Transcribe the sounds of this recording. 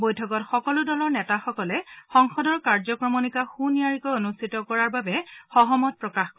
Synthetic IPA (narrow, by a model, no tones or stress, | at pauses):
bojtʰɔkɔtxɔkɔlʊdɔlɔɹnɛtaxɔkɔlɛxɔŋxɔdɔɹkaɹzɔkɹɔmɔnikaxunijaɹikɔjonustʰitɔkɔɹaɹbabɛxɔɦɔmɔt̚pɹɔkaxkɔ